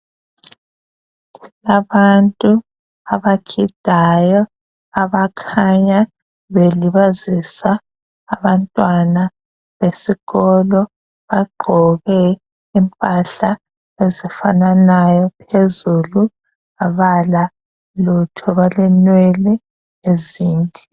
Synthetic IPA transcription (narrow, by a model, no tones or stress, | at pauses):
laβantʼu | aβakʰid̥ʱajɔ | aβakʰaɲa | βeliβazisaː | βantʼwana | βesiɣɔlɔ | βaɡ͡ǃʱɔɣɛ | impʼaɬa | ezifananajɔpʰezulu | aβala | lutʰɔβalɛnwɛlɛ | eziːndʱʼi